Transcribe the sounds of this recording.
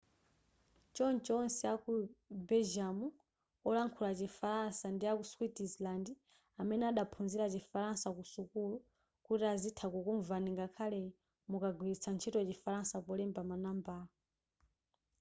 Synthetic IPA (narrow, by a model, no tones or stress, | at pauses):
t͡ʃɔnt͡ʃɔnsɛakubɛʒamu | ɔlaŋkʰulat͡ʃifaɾansandiakuswitislandi | amɛnɛaɗapʰunziɾat͡ʃifaɾansakusukulu | kutiazitʰakukuɱvaniŋɡakʰalɛ | mukaɡwiɾit͡sʰant͡ʃʰitɔt͡ʃifaɾansakɔlɛmbamanamba